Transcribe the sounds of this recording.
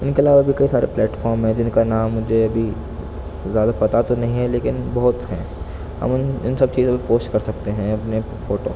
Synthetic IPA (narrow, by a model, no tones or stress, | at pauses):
ɪnkeɐlaːʋabʱikɐisaːɾḛplɛːʈfɔːɾmɦɛ̃d͡ʒɪnkanaːmːʊd͡ʒʱeɐbʱi | zjaːd̪apɐt̪at̪onɐɦĩɦɛ̃leːkɪnbɐɦʊt̪ɦɛ̃ | hɐ̰mʊnɪnsɐb̚t͡ʃiːzɐbipoːsʈkɐɾsɐk̚t̪eɦɛ̃ɐpne | foːʈoː